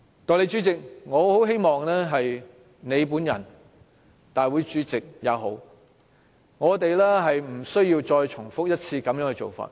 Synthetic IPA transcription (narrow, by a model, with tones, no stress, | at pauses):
t̪ɔː˨le˨˧˥jt͡ʃyː˨˥t͡sɪ˨k̚ŋɔː˨˧ho˨˥wɦe˥jmɔː˨ŋlɛː˥ɦɐ˨j | ne˨˧jp̬uː˨˥njɐ̰˨˩n | t̪aː˨jwu˨˧jt͡ʃyː˨˥t͡sɪ˨k̚jɐ̰˨˧wɦo˨˥w | ŋɔː˨˧t̪e˨jlɛː˥ɦɐ˨jm̩˨˩sɵ˥ɥjiː˧wt͡ʃɔː˧jt͡ʃʰʊ˨˩ŋfʊ˥k̚jɐ˥t̚t͡sʰiː˧kɐ˨˥mjœː˨˥ŋhɵ˧t͡ʃo̰˨wfa̰ː˧t̚